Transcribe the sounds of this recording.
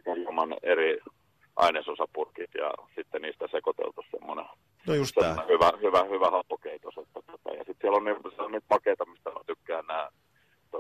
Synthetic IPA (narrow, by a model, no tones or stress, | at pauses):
kæjiomɑneri | ʔɑ̰inesosɑpurkit̪jɑ̰sit̪ːeniːst̪æsekot̪ḛlt̪ussḛmːonḛ | usemːonehyʋæhyʋæhyʋæhɑpːokeit̪oset̪ːæt̪ot̪ɑ̰jɑ̰sit̪siælonniʋsiælonniːt̪ʋɑkeit̪ɑmist̪æɑ̰t̪ykːæːnnæː | t̪o